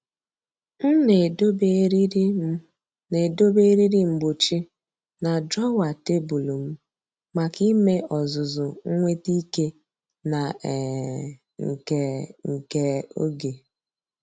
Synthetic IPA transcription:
n̩˦ne˨˦be˦ɾ | ne˨do˦be˦ɾi˦ɾi˦ŋ͡m̩˨ɡ͡bo˨t͡ʃi˦ | na˨dɾɔ˦wa˨te˦bu˨lo˨m̩˦ | ma˨ki˦me˦ʔɔ˨zʊ˨zʊ˨ŋ̩˦ŋʷe˦ti˦ke˦ | na˨ | ŋ̩˨ke˨ŋ̩˨ke˨˦o̰˦ɡe˨

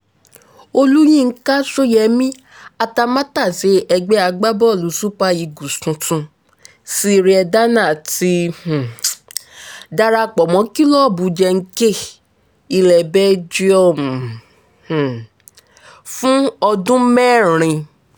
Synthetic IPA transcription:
o˧lu˦j̃ĩ˦˧ŋ̩˦ka˦so˦jɛ˧˦mĩ˦ | a˧ta˧mã˦ta˦˨se˨˦ɛ˧ɡ͡bɛ˦a˧ɡ͡ba˦bɔ˦˨lu˨˦su˦k͡pa˧i˧ɡu˨sũ˧tũ˧ | si˦˧ɾi˧ɛ˧da˦nã˦˨ti˦h̩˨ | da˧ɾa˧k͡pɔ˨mɔ̃˨˦ki˦lɔ˦˨bu˨˦d͡ʒɛ˧ŋ̩˦ke˦˨ | i˧lɛ˨bɛ˦d͡ʒi˦ɔ˦˨m˨ | h̩˨ | fũ˦ɔ˧dũ˦mɛ˦˨ɾ̃ĩ˧

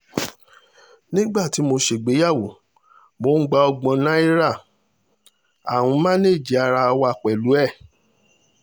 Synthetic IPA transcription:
nĩ˦ɡ͡ba˦˨ti˨˦mo˧ʃe˨ɡ͡be˨˦ja˦˨wo˨ | mo˧˦ɡ͡ba˧ɔ˧ɡ͡bɔ̃˧nã˦i˦ɾa˦˨ | a̰˨w̃ũ˧mã˦ne˦˨d͡ʒi˨˦a˧ɾa˧wa˧˨k͡pɛ˨lu˨˦ɛ˦˨

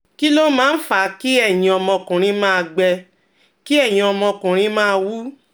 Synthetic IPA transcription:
ki˦lo˦mãː˦˧n̩˦fa˨ki˦ɛ˦˨j̃ĩ˧ɔ˧mɔ̃˧kũ˨ɾ̃ĩ˧˦mãː˦˧ɡ͡bɛ˧ | ki˦ɛ˦˨j̃ĩ˧ɔ˧mɔ̃˧kũ˨ɾ̃ĩ˧˦mãː˦˧wu˦

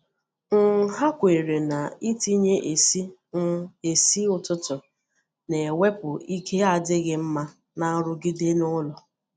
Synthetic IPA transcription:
ŋ̩˨˦ɦa˦kʷe˨ɾe˨na˨i˦ti˦ɲe˦ʔe˨i˦ | e˨si˦ʊ˨tʊ˦tʊ˨ | ne˨e˨we˦pʊ˨i˦kʰe˦a˨dɪ˦ɣɪ˦m̩˦ma˦ | na˦ɾʊ˦ɡɪ˦de˦nʊ˦lɔ˨

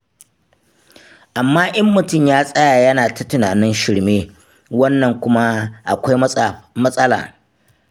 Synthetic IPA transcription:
ʔa˨mːaː˦ʔɐ˦mːʊ˨tʊ˦˨mjaː˦sʼɐ˦jaː˨jɐ˦naː˨tɐ˦tɪ˨naː˨nɪ˦nʃɪ˨ɽmeː˦ | wɐ˦nːɐ˨ŋkʷʊ˦ma˦ʔa̰˨kʷa˦jmɐ˦sʼɐ˦la̰ː˨

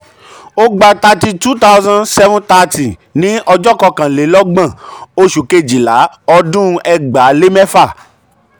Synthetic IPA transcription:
o˦ɡ͡ba˧ta˧ti˧tu˦ta˦wzã˦nsɛ˦vũ˦ta˦˧ti˨nĩ˦ɔ˧d͡ʒɔ˦kɔ˧kã˨le˨˦lɔ˦ɡ͡bã˦˨o˧ʃu˨ke˧˨d͡ʒi˨la˨˦ | ɔ˧dũ˦˧ʔɛ˧ɡ͡ba˨˦le˦mɛ˦fa˦˨

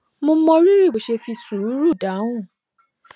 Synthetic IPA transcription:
mõ˧˦mɔ̃˧ɾi˦ɾi˦˨bo˨ʃe˧fi˧su˨ɾu˨˦ɾu˦˨da˨˦wũ˦˨

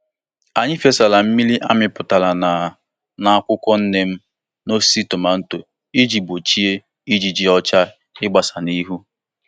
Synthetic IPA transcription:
a˨ɲɪ˦fe˦sa˨la˨m̩˦mi˦li˦ʔa˦mɪ˨pʊ˨ta˨la˨na˨ | na˨a˨kʷʊ˦kʷɔ˦n̩˦ne˦m̩˦ | no˦si˦˨tʊ˨ma˨n̩˦to˨ | i˦d͡ʒi˨bo˨t͡ʃi˦e˦ | i˦d͡ʒi˨d͡ʒi˨˦ɔ˦t͡ʃa˦ | ɪ˦ɡ͡ba˨sa˨ni˦ɦu˦

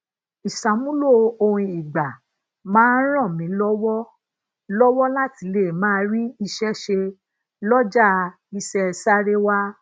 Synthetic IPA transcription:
i˨sa˨˦mũ˦lo˦o˧hũ˧i˨ɡ͡ba˨ | mãː˦n˦ɾ̃ã˦˨mĩ˨˦lɔ˦wɔ˦ | lɔ˦wɔ˦la˦ti˨˦le˦˨mãː˦ɾi˦i˧ʃɛ˦ʃe˧ | lɔ˦d͡ʒa˦˧ | i˧sɛ˦˧sa˦ɾe˦wa˦

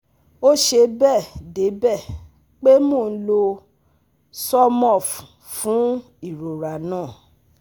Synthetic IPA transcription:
o˦ʃe˧bɛ˦˨de˨˦bɛ˦˨ | k͡pe˦mo˦˨n̩˦lo˧ | sɔ˦mɔ˦˨f | fũ˨˦ | i˦˨ɾo˨ɾa˨nãː˦˨

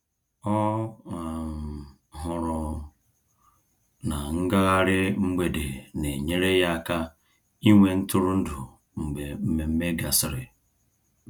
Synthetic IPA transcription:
ɔ˦a˨ | ɦʊ˨ɾʊ˨ | na˨ŋ̩˦ɡa˦ɣa˦ɾɪ˦ŋ͡m̩˦ɡ͡be˨de˨ne˨ɲe˦ɾe˦ja˦ka˦ | i˦ŋʷe˨n̩˦tʊ˦ɾʊ˦n̩˦dʊ˨ | ŋ͡m̩˨ɡ͡be˨m̩˦me˨m̩˦me˦ɡa˨sɪ˦ɾɪ˨

